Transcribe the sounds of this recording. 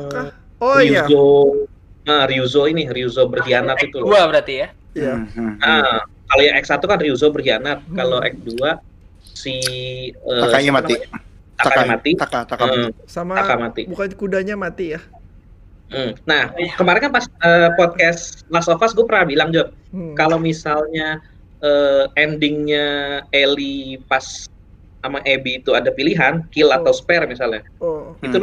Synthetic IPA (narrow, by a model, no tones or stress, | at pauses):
oriuazo | əriuzoiniriuzobərɦianat̪it̪uluabəɾat̪ija | jaə | kalojaŋʔɛk̚sat̪ukanriuzobərɦianat̪̚kaloʔɛ̰k̚dua | si | əaɲamai | t̪akaɲamat̪iaaasamaakamat̪ibukankudaɲamat̪ija | m̩nahkəmaɾankanpasəpɔt̪̚kɛslasofasɡuapəɾabilaŋd͡ʒɔr̚kalowmisalɲa | ʔəːɛndɪŋɲaelipas | amaʔebiːt̪uadapiliɦankilat̪awspɛrmisalɲa | oit̪ul